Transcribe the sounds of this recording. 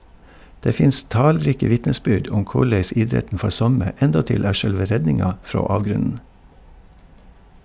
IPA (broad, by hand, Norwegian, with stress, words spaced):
ˈdeː ˈfɪns ˈtɑːlˌɾiːkə ˈʋɪtnəˌsbʏɖ ˈʔʊm ˈkʊɭɛs ˈɪdɾɛtn̩ ˈfɔɾ ˈsɔmə ˈɛndɔtɪl ˈæː ˈʃœɽʋə ˈɾɛɟnɪŋɑ ˈfɾoː ˈɑːʋɡɾʉnn̩